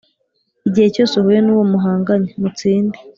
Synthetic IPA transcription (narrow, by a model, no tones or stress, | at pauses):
iɟihe̞co̞ːsehujenuwo̞muɦaːŋɡaɲemut͡siːnde